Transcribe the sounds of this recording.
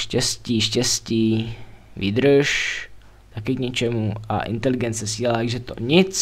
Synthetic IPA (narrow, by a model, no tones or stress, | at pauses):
ʃcɛsciːʃcɛsciː | vḭːd̪ɾəʃ | t̪akɪkɲɛt͡ʃɛmuʔa̰ʔɪ̰nt̪ɛlɪɡɛnt͡sɛsiːhalat̪aɡʒɛt̪o̰ɲɪt͡s